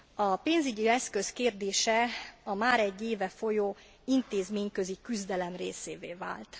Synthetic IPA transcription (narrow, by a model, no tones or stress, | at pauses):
ɒpeːnzyɟiɛskøskeːrd̪eːʃɛɒmaːɾɛɟːeːvɛfo̞joː | int̪eːzmeːɲkøzikyzd̪ɛlɛmrḛːseːvḛːva̰ːlt̪